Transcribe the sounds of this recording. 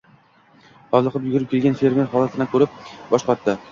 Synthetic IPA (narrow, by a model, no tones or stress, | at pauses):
ɒvlˠɨqʰɨpjʊɡʊɾɪp̚kʲʰelɡʲanfe̞ɾme̞ɾhɒlˠat̪ʰɪnɪkʰɵɾɪp̚bɒʃqɒt̪ːɪ